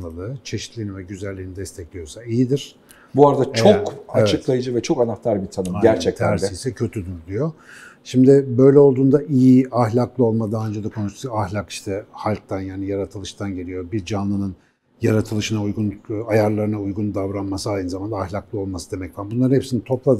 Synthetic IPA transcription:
ɯlˠɯt͡ʃʰe̞ʃi̥t̪lʲijːnivɛɟyzælʲːiːnid̪ɛst̪ʰɛclʲijo̞saijid̪iɾ̥ | buaɾad̪at͡ʃʰokaevt͡ʃɛɯk̪lˠajɯd͡ʒɯvɛt͡ʃʰo̞kanaht̪ʰaɾbit̪ʰanɯmaæɾt͡ʃʰɛc̪æɾisɛcʰø̞t̪ʰyd̪yɾd̪ijo̞ | ʃimd̪ɪbø̞jlʲɛo̞lˠd̪uːnd̪aʔijiahlʲaklˠɯo̞lˠmad̪anønd͡ʒed̪akʰo̞nuʃt̪t̪ahlʲaki̥ʃt̪ʰɛhalʲk̚t̪ʰanjaːnijaɾat̪ʰɯlˠɯʃt̪ʰanɟe̞lʲijo̞biɾd͡ʒanlˠɯnɯn | jaɾat̪ʰɯlˠɯʃɯnaujɡunajaɾlˠaɾɯnaujɡund̪avɾanmasɯajɯnɯzamand̪aːhlʲaklˠɯo̞lˠmasɯd̪e̞mɛcvaɾbunlˠaɾnhepsinit̪ʰo̞plˠad̪

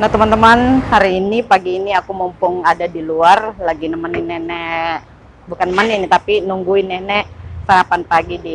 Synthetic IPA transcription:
naht̪əmant̪əmanhaɾiːnipaɡiːniakumumpʊŋadadiluarlaɡinəmaninɛnɛ | bukanəmaninit̪apinuŋɡuɪnɛnɛʔsaɾapanpaɡidi

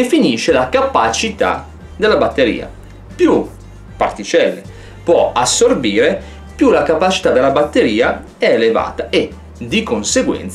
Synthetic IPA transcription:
efiniːʃelakapat͡ʃit̪a̰ | d̪elːabat̪ːeɾḭːa̰ | pju | part̪it͡ʃɛlːe | pwɔasːorbiːɾe | pjulakapat͡ʃi̥t̪ad̪elːabat̪ːeɾiːa | ɛeleva̰ːt̪aʔe | d̪ikonseɡwɛ̰nt̪s

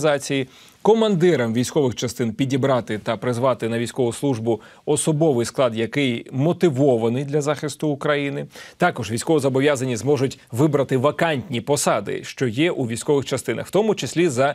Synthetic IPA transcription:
zɑt͡sʲiji | kɔmɐnd̪ɪɾɐmʋʲijsʲkɔʋɪxt͡ʃɐst̪ɪnpʲidʲibɾɑt̪ɪt̪ɐpɾɪzʋɑt̪ɪnɐʋʲijsʲkɔʋʊslˠuʒbʊ | ɔsɔbɔʋɪjsklˠɑd̪jɐkɪjmɔt̪ɪʋɔʋɐnɪjd̪lʲɐzɑxɪst̪ʊːkɾɐjinɪt̪ɑkɔʒʋʲijsʲkɔʋɔzɐbɔʋʲjazɐnʲizmɔʒʊtʲʋɪbɾɐt̪ɪʋɐkɑnʲtʲnʲipɔsɑd̪ɪ̰ʃt͡ʃɔjɛʔuʋʲijsʲkɔʋɪxt͡ʃɐst̪ɪnɐ̰xwt̪ɔmʊt͡ʃɪsʲlʲizɐ

